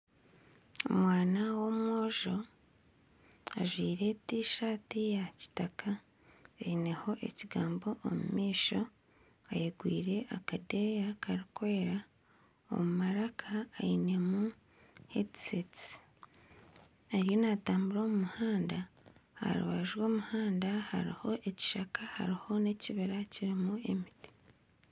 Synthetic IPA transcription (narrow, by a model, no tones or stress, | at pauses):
o̰mwaːnawo̞mwo̞ːʒo̞ | aʒwiːɾe̞tiʃaːtijaci̥takʰa | eine̞ho̞ʔe̞̰ciɡaːmbo̞ʔo̰mṵmiːʃo̞ | ajeɡwḭːɾe̞ʔakade̞jakaɾikweeɾa | o̞̰mumaɾakʰaːine̞mu | hḛtseti | aɾjo̞nataːmbuɾo̞ːmumuhaːndaa̰ɾṵβa̰ʒwo̞ːmuhaːndaha̰ɾḭho̞ʔe̞ci̥ʃakʰaha̰ɾiho̞neciβiɾaciɾimue̞̰miti̥